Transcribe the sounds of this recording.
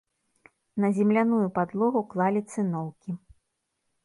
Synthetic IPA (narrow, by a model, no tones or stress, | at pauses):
nɐzʲɛmlʲanujupad̪lˠɔɣuklˠalʲit̪sɨnɔwkʲi